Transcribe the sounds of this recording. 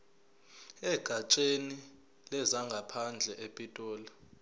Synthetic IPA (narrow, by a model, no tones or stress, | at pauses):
ɛɡ̥ʱat͡ʃʼeni | lɛzaŋɡʱapʰand͡ɮʱɛʔepʼitʼɔːla